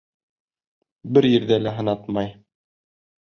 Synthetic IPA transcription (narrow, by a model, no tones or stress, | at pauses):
bɘɾjɘ̆ɾðælæɦɤ̆nɑt̪mɑj